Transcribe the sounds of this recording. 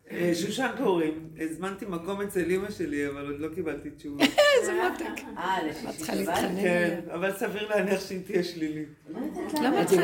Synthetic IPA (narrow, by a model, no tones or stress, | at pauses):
eʃuʃankoʁim | ezmant̪imako̞met͡selimaʃe̞liavalod̪lo̞kibalt̪it͡ʃuvzemot̪ekaleḁχaliankenavalsaviʁleaniaχʃeit̪iaʃlili | lama